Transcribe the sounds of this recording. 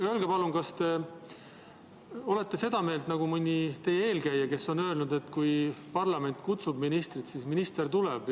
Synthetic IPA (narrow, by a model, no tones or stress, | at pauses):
ølɡepɑlunkɑst̪e̞ | o̞le̞t̪ːe̞se̞d̪̥ɑme̞ːlt̪nɑɡ̥umɯnʲːit̪e̞jee̞ːlkæjːɑke̞sːo̞nø̞lnud̪e̞t̪ːˑkujpɑrlɑme̞nʲt̪ˑkut̪sub̥minist̪rit̪siːsminist̪e̞rt̪uleb̥